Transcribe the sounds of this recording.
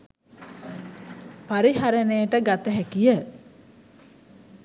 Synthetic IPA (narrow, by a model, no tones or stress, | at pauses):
paɾiɦaɾənejəʈəɡat̪əɦækijə